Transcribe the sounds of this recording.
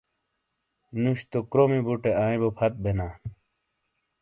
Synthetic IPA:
nuɕt̪okɾomibuʈeaːĩbopʰɐt̪̚bʱenaː

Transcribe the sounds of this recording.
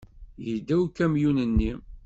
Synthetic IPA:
jəd̪ːæwkæmjunənːi

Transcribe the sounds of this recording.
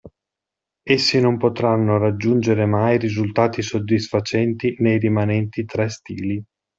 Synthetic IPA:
esːinompot̪ɾanːorad͡ʒːund͡ʒeɾemajɾizult̪aːt̪isod̪ːisfat͡ʃɛnt̪inejɾimanɛnt̪it̪ɾɛst̪ḭːli

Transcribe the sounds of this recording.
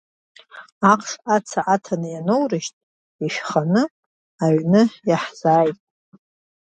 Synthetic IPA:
aqʰʼʂat͡sʰaʔatʰanɨjanowrɨʃtʼ | iʃᶣχanɨ | aɥnɨjaħz̥aːjtʼ

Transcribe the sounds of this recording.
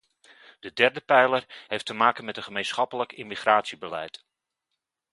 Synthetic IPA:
d̥ədɛrdəpɛjlərɦejftəmaːkənmɛtənχəmejnsχɑpələkɪmiχraːtsibəlɛ̰jt

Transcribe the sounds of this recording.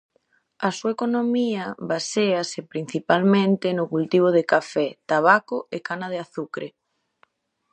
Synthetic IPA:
ɐsuaekonomiɐβaseɐsepɾin̟θipalmẽnt̪ɪnʊkult̪iβ̞oðɪkafɛt̪aβakoekanaðeaθukɾe

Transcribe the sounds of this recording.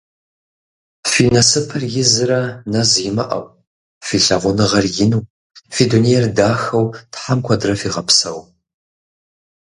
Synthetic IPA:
finɐsɨpʰɐrjɪzɨɾɐnɐzjɪmɨ̰ʔɐ̰w | fiːɬɐʁʷʊnɨʁɐrjɪnuː | fidunejrdaːxɐwtħamkʷʰɐdrɐfiːʁɐpʰsɐw

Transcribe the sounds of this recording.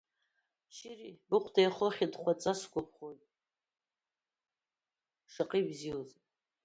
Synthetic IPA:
ʃɪribɨqʷʰdajχoχʲidχʷat͡sʼasɡʷʼapʰχojtʼ | ʂaqʼibzioz

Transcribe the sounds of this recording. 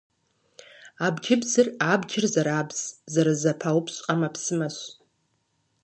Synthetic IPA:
abd͡ʒɪbzɨrabd͡ʒɪrzaɾabz̥zaɾazapʰawpʰɕʷʼqʼamapʰsɨmaɕʷʼ

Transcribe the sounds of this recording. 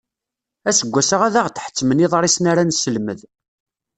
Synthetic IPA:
æsəɡʷːæsəʁæðaʁt̪ːħə̥t͡sːməniðˤɾˤisnaɾansəlməð

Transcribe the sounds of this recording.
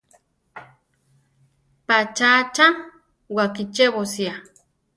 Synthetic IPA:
pat͡ʃat͡ʃa | wakit͡ʃeβosja

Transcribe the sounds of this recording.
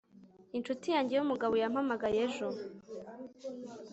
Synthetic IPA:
int͡ʃutijaːɲɟejumuɡaβojam̥hamaɡajeʒo

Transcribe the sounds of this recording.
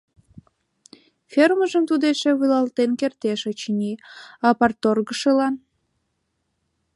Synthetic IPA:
fʲerməʒəmt̪ud̪eʃeβɨlɑlt̪enkert̪eʃot͡ɕnʲiɑpɑrt̪orɣəʃelɑn

